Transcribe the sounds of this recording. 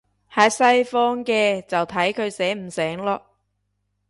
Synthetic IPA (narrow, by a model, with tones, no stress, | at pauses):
haː˨˧sɐ˧jfɔː˥ŋkɛː˧t͡sɐ˨wt̪ʰɐ˨˥jkʰɵ˨˧ɥsɛː˨˥m̩˨˩sɛː˨˥ŋlɔː˧